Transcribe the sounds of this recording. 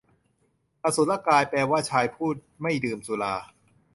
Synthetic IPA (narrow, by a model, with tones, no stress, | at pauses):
ʔa˧su˨˦nla˥˩kaː˧jpɛː˧waː˥˩t͡ɕʰaː˧jpʰuː˥˩t̪̚ma˥˩jdɯː˧msu˨˦laː˧